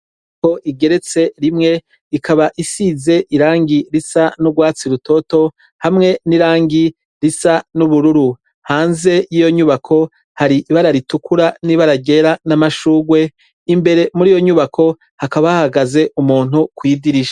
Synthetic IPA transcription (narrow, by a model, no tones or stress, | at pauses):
ko̞ʔiɡe̞ɾe̞t͡se̞ɾimŋe̞ | ikʰaβaʔisize̞ʔiɾaːŋɡiɾisanuɡwaːt͡siɾuto̞to̞ | hamŋe̞niɾaːŋɡi | ɾisanuβuɾuɾu | haːnze̞jijo̞ɲuβakʰo̞ | haɾiʔiβaɾaɾitukʰuɾaniβaɾaɡe̞ɾanamaʃuːɡwe̞ | imbe̞ɾe̞muɾiːjo̞ɲuβakʰo̞ | hakaβahaɡaze̞ʔumuːn̥hukwidiɾiʃa